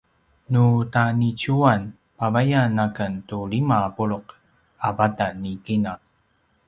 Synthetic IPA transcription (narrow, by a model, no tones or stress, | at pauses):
nutanicuan | pavajanakəntuɭimaːpuɭoq | avatanikinaq